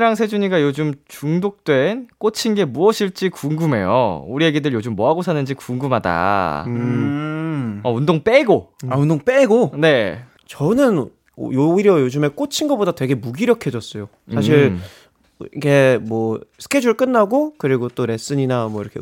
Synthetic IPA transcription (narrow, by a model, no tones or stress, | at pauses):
ɾaŋsʰe̞d͡ʑuɲiɡajod͡ʑumt͡ɕuŋdok̚t͈wenk͈ot͡ɕʰinɡe̞muʌɕʰiɭt͡ɕ͈ikuŋɡume̞̰jo̰uɾijeɡidɯɭjod͡ʑumːʌɦaɡosʰanɯnd͡ʑikuŋɡumɦada̰ | ʌundoŋp͈eɡoaundoŋp͈eɡone̞ | t͡ɕʌnɯn̰ | joiɾjʌjod͡ʑume̞k͈ot͡ɕʰinɡʌbodatwe̞ɡe̞muɡiɾjʌkʰe̞d͡ʑʌs͈ʌjo | sʰaɕʰiɭ | ḭɡe̞mwʌsʰɯ̥kʰe̞d͡ʑuɭk͈ɯnːaɡokɯɾiɡot͈oɾe̞s͈ɯɲinamwʌḭɾʌkʰe